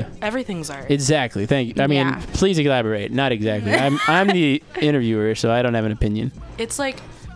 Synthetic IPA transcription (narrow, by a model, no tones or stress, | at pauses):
ɛvɹiθɪ̃ŋzɨɡzæk̚tˡliθæ̃ŋkjʔaɪmĩnpʰl̥izɨlæbə˞eɪtⁿnəɾɨɡzæk̚tˡliãɪ̃mãɪ̃mðiɪ̃ɾ̃ə˞vjʉə˞soʊaɪɾõʊ̃nhɨvɨ̃nɨpʰɪ̃njɨ̰̃nɨtslaɪk